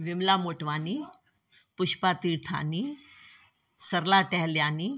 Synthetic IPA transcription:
ʋimlamoʈʋani | puɕpat̪iːɾt̪ʰa̰ni | səɾlaʈɛɦljãni

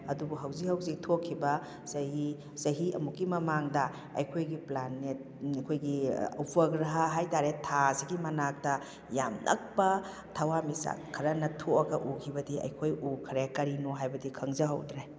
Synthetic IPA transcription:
ɐdubuɦɐwzikhɐwzik̚tʰokʰːibɐ | sɐɦi | sɐɦiɐ̰mukːimɐmaŋdɐ | ɐ̰jkʰojɡiplanːet̚ | kʰojɡiɐ̰wpʰɐɡɾɐɦɐɦajtaɾetʰasiɡimɐnak̚tɐ | jamnʔɐ̰k̚pɐ | tʰɐwamisa̰kʰɐɾɐnɐtʰoɐɡɐʔukʰibɐdiɐ̰jkʰojukʰɾeakɐɾinoɦajbɐdikʰɐŋzɐɦɐ̰wdɾaj

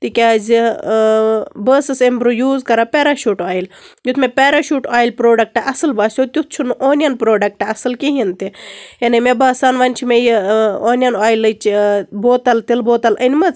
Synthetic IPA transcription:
t̪ikʲaz | bəːsɨsembɾujuːzkɐɾapʲeːɾaʃuːʈaːjiljut̪ʰmepʲeːɾaʃuːʈaːjlʲpɾoːɖɐk̚ʈɐʔɐsɨlbaːsʲot̪ʲut̪̚t͡ʃʰunʔoːnʲjɐnpɾoːɖɐk̚ʈɐɐsɨlkiɦint̪ijɐnemebaːsaːnʋɐnʲt͡ʃʰimejoːnʲjɐnaːjlɨt͡ʃboːt̪ɐlt̪ilboːt̪ɐlʔɐnʲmɐt͡s

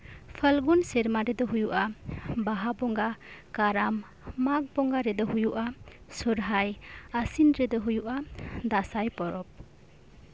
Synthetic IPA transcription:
pʰəlɡunseɾmaɾed̪ɔɦujuʔabaɦabɔŋɡakaɾamː | ak̚bɔŋɡaɾed̪ɔɦujuʔa | suɾɦajasinɾed̪ɔɦujuʔad̪asajpɔɾɔp̚

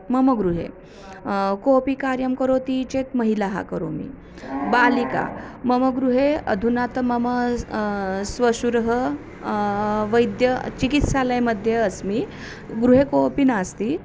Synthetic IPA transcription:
məməɡɾuɦḛ | kopikaɾjəmkəɾot̪it͡ɕet̪məɦilaɦa̰kəɾo̰mḭ | balika̰məməɡɾuɦeə̰d̪ʱunat̪məmə | sʋəɕuɾɦə | ʋəjd̪jət͡ɕikit̪saləjməd̪ʱjeəsmi | ɡɾuɦekopinast̪i

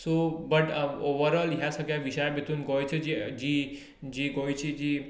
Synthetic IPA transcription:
sobəʈoʋəɾəlɦjasəkjaʋiʃajbit̪unɡɔjt͡ʃʰed͡ʒid͡ʒi | d͡ʒiɡojt͡ʃʰid͡ʒi

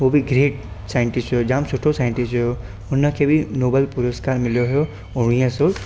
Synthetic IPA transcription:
obʱiɡɾeːʈ | sajə̃ɳʈɪsʈɦɔjod͡ʒaamsʊʈʰosajə̃ɳʈɪsʈɦɔjo | ʊnəkʰebʱinobəlpʊɾəskaɾmɪljoɦɔjo | oɽ̃ijãso

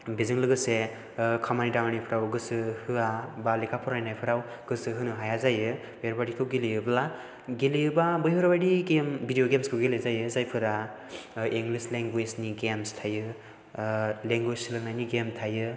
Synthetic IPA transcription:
bizɯŋlɯɡɯse | kʰamanidawanipʰɯɾawɡɯsɯhɯabalikʰapʰɔɾajnajpʰɯɾaw | ɡ̥ɯsɯɦɯnɯɦajazajɯ | bjhɯɾbadikʰɯwɡelijɯbɯla | ɡelijɯbabɯjɦɯɾbadiɡembʱidijoɡemskʰɯwɡelezajɯzajpʰɯɾa | iŋɡlisleŋɡwezniɡemstʰajɯ | leŋɡwesɯlɯŋnajniɡemtʰajɯ

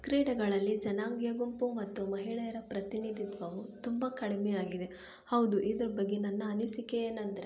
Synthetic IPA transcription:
kɾiːɽɐɡɐɭɐlːid͡ʒɐnaːŋɡjɐɡumpumɐt̪ːumɐɦiɭɛjɐɾɐpɾɐt̪inid̪ʱit̪ʋɐʋut̪umbɐkɐɽemɛjaːɡid̪e̞ | hɐwd̪uʔid̪ɐɾɐbɐɡːenɐnːɐːnisikeeːnɐnd̪ɐɾe

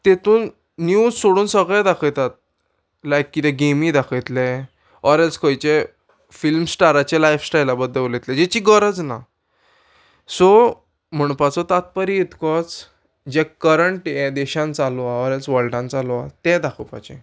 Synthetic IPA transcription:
t̪et̪uːnː | jud͡zsoɽuːnsəɡɭɛ̃d̪akʰət̪at̪̚ | lajkːit̪ɛ̃ɡemid̪akʰət̪lɛ̃ | ɔɾɛlskʰɔjt͡ɕe | filmsʈaɾat͡ɕelajfsʈajlabəd̪ʱːəʋolet̪lɛ̃d͡ʑɛt͡ɕiːɡəɾəd͡zna̰ | sɔ | m̤əɳ̃pat͡sɔt̪at̪̚pəɾiːt̪kɔt͡s | d͡ʑɛkəɾəɳʈjɛ̃d̪ɛɕãnt͡salaɔɾɛlsʋəɭʈãnt͡salɔat̪ɛ̃d̪akʰəwpa̰t͡ɕɛ̰̃

